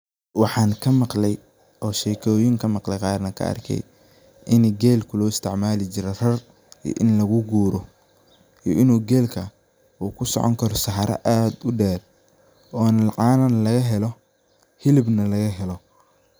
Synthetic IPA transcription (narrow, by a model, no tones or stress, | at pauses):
wɑħɑːŋkʰɐmɑqlɛj | ɔːʃɛkʰɔːjɪŋkʰɐmɑqlɛqɑːɾnɐkʰɐ̰ʔɐ̰rkʰɛ̰j | ʔɪnɡɛːlkʰʊlɔːɪst̪ʰɪʕmaːlɪt͡ʃɪɾɛr̥ɐr | ḭʔɪnlɐɣʊɡuːɾɔ | ḭʔɪnuːɡɛːlkʰɐ | uːkʰʊsɔ̰ʕɔ̰ŋkʰɐɾɔsɑħɑɾʔɐ̰ʔaːd̪ʊɖɛːr | ɔːnɐlʕɑːnɐnlɐɣɐɦɛlɔ | hɪlɪbnɐlɐɣɐɦɛlɔ